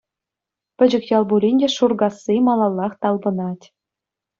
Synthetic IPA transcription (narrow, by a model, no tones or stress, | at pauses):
pʲɘ̆d͡ʑɘ̆kʲjɑlˠbulʲinʲdʲeʂurɡɑsːimɑlˠɑlˠːɑχt̪ɑlˠbɤ̆nɑtʲ